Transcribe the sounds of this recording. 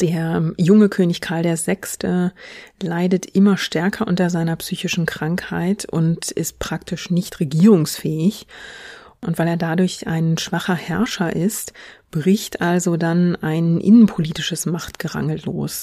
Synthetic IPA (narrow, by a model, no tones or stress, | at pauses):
d̥eːɐjʊŋəkʰøːnɪçkʰaɐldeːɐzɛkstəlaɪdətʔɪmɐʃtɛɐkʰɐʔʊntɐzaɪnɐpsyːçɪʃn̩kʁ̥aŋkha̰ɪtʰʊ̰ntɪst̚pʁ̥ak̚tʰɪʃnɪçtʁeɡiːʁʊŋsfɛːɪç | ʔʊntv̥aɪleːɐdadʊɐçʔa̰ɪnʃv̥aχɐhɛɐʃɐʔɪstb̥ʁɪçtʔalzodanaɪnʔɪ̰nənpʰoliːtɪʃəsmaχtɡ̥əʁa̰ŋl̩ːo̰ːs